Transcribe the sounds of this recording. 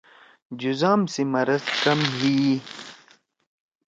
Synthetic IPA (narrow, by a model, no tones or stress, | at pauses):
d͡ʑuzaːmsemɐɾɐzkɐmɦiː